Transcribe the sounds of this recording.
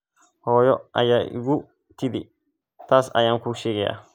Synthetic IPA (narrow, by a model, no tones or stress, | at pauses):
hɔːjɔʔɐ̰jaːʔɪ̰ɡu | t̪ɪd̪ɪ | t̪ʰaːsɐ̰jaːŋkuʃɛːɡɛja̰